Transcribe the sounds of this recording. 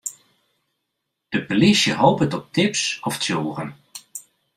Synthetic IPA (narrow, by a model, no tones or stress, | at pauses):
d̥əpəlisjəɦoːpətɔp̚tʰɪpsɔftjoːrən